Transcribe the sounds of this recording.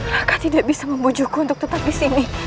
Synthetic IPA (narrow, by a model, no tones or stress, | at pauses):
lakat̪idaʔbisaməmbud͡ʒukunt̪ʊk̪̚ut̪ap̚disini